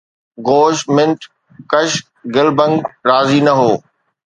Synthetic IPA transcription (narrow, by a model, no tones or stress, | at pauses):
ɡoːʃmɪ̃nʈ | kɐʃ | ɡɪlbə̃ŋɡɾaːzinɐɦoː